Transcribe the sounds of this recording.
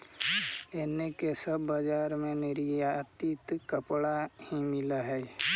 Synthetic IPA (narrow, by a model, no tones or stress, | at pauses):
ɛːnekesəbːəd͡ʒaːɾmẽnɪɾijat̪it̪kəpɽahimɪlaɦɛː